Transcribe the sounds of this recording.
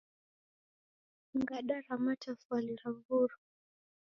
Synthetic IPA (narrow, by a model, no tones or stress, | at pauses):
ŋɡaɗaɾamatafwaliɾavuɾa